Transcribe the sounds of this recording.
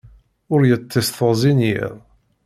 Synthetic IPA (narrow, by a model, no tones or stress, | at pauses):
ʊɾjət͡sːisθəʁzinjḭʁˤ